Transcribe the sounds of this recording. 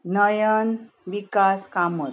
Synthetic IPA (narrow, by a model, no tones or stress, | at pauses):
nəjən | ʋikaskamə